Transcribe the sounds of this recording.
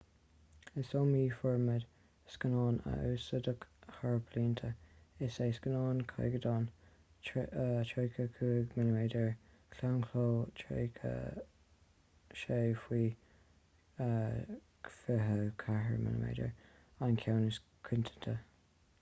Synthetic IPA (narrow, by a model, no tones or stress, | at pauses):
ɪsomiːfɔɹməd̪ | skənɑːnə̰ʔuːsəd̪əkhaɹbʰliːnt̪ʰəɪseskənɑːnkʰa̰jɡəd̪ɑːn | tʰɹejkʰəkʰuːɡmɛləmeːdəɹ | kʰlawnkʰloːtʰḛkʰə̰ | ʃeːfwiː | fɪɦəkʰaɦə̰ɹmɛ̰lə̰mḛːdə̰ɹ | ankʰawnəs | kʰɪnt̪ʰə̥nt̪ʰə